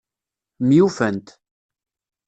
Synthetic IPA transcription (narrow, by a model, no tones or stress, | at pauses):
mjufənt̪